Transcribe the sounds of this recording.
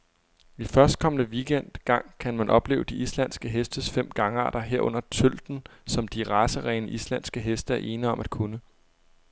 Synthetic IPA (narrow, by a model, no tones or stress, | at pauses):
ifɶɐsd̥̚kʰɒ̽mənəʋiɡ̥en̰d̥ɡ̥ɑ̈ŋ̰kʰænmænʔɒ̽b̥le̝ːʊd̥iʔislænsɡ̥əɦesd̥əsfem̰ɡ̥ɑ̈ŋəɑ̰̈ːd̥ɐɦeɐ̰ɔ̽n̰ɐt͡sʰøl̰d̥n̩sɒ̽md̥iʁɑ̈səʁɛɪnəʔislænsɡ̥əɦesd̥əæɐʔe̝ːnəɒ̽mʔæd̥̚kʰunə